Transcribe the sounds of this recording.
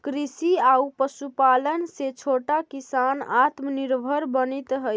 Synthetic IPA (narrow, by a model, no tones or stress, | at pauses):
kɾisiaupəsupalənset͡ʃʰoʈakisanat̪məniɾbʱəɾbənit̪ɦə